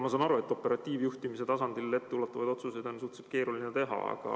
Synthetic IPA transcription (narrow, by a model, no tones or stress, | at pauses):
mɑsɑːnɑɾue̞t̪ːˑo̞pːˑe̞ɾɑt̪ːˑiːvjuht̪imis̬e̞t̪ɑsɑnd̪̥ilet̪ːulɑt̪ːˑɑvɑjd̪o̞t̪susejd̪onsuht̪seb̥̚ke̞ːɾulinet̪e̞ɦɑ̰ɑ̰ɡ̥ɑ̰